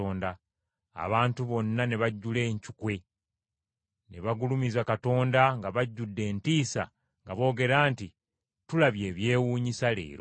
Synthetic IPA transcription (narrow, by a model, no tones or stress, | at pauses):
oːnda | a̰βaːntuβo̞nːaneβaɟːule̞ːɲcukwe̞ | neβaɡulumizakato̞ːndaŋɡaβaɟːudːe̞ːntiːsa̰ | ŋɡaβo̞ːɡe̞ɾaːnti | tulaβje̞ːβje̞ːwuːɲisale̞̰ːɾo